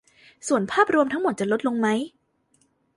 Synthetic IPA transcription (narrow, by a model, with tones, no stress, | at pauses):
su˨˩ənpʰaː˥˩p̚ɾu˧mt̪ʰa˦˥ŋmo˨˩t̪̚t͡ɕa˨˩lo˦˥t̪̚lo˧ŋma˦˥j